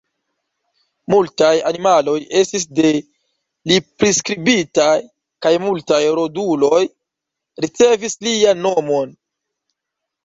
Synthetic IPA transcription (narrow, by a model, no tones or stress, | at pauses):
multajanimalo̞je̞stisde̞ | lipɾiskɾibitaj | kajmultajɾo̞dulo̞j | ɾit͡se̞vislianːo̞mo̞n